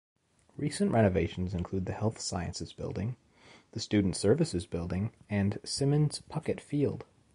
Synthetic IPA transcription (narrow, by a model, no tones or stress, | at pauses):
ɹisɨ̃nʔɹʔɛñɨveɪʃn̩zɨ̃nkʰl̥ʉd̪̚ðɨhɛlˠθsaɪɨ̰̃nsɨzb̥ɪ̰lˠdɪ̰̃ŋ | ðɨstʉdⁿn̩tsɜ˞vɨsɨzbɪlˠdɪ̃ŋɨ̃nsɪ̃mɨ̃nz̥pʰʌkɨtfilˠd̥